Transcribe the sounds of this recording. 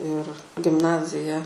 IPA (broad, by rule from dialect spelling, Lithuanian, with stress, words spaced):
ɪr ɡʲɪmˈnɑːzʲɪjɛ